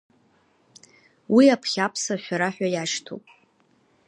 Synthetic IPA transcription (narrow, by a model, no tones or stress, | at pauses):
wiapʰχʲapʰsaʃʷᶣaɾaħʷᶣajaʃtʰo̰pʼ